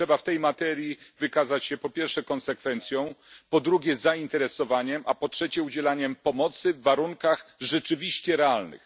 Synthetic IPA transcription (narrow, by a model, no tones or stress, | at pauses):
ɛbaft̪ɛjmat̪ɛɾʲjivɘkazat͡ɕɕɛpɔpʲjɛɾfʂɛkɔ̃nsɛkfɛnt̪sʲjɔ̃w̃pɔd̪ɾuɡʲɛzaint̪ɛɾɛsɔvaɲɛmʔapɔtʂɛt͡ɕɛud͡ʑɛlaɲɛmpɔmɔt̪sɘvːaɾuŋkaxʐɛt͡ʂɘvʲiɕt͡ɕɛɾɛalnɘ̰x